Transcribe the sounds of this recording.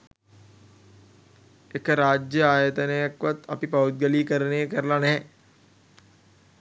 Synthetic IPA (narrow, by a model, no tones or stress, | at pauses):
ekəɾaːd͡ʒjəaːjət̪ənəjakʋat̪ɐpipɐut̪̚ɡəliːkəɾənejkəɾəlanɛɦɛ̃